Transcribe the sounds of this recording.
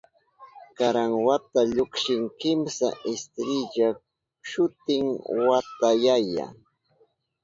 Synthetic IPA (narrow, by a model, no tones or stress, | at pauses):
kaɾaŋwat̪aʎʊkʃɪŋkɪmsa̰ʔɪst̪ɾɪʎa | ʃʊt̪ɪŋwat̪ajaja̰